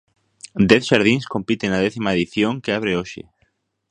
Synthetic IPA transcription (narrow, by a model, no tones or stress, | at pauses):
d̪ɛθʃaɾð̞iŋskompit̪enɐðɛθimaeðiθjoŋkɪaβ̞ɾeoʃɪ̰